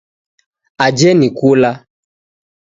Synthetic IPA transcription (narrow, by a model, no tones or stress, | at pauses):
ad͡ʒɛnĩkola